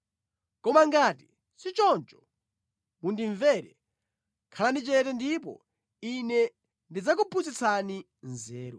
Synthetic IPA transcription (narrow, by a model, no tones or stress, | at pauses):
kɔmaŋɡaːti | sit͡ʃɔnt͡ʃɔ̥ | mundiɱvɛɾɛ | kʰalanit͡ʃɛt̬ɛndipɔ̰ | inɛ | ndid͡zakupʰuzit͡sʰani | nzɛːɾɔ